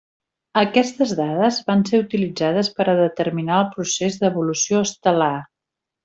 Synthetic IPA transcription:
əkɛst̪əzðaðəzβanseut̪ilid͡zaðəspəɾəðət̪ərminaəlˠpɾusezd̪əβulusioəst̪əla

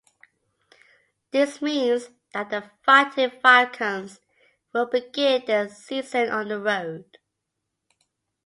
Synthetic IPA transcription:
ðɪsmĩnz | ðəʔðəfaɪtʰɪvaɪkʰə̃ns | wɪlˠbɪɡɪ̃nðəsiːzə̃nʔə̃nðəɹoʊd̥

